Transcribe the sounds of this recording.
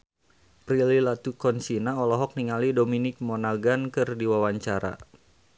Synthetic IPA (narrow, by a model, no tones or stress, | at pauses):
pɾililat̪ukɔnsinaɔlɔɦɔk̚niŋalidominɪk̚mɔnaɡankɨrdiwawaɲt͡ʃaɾa̰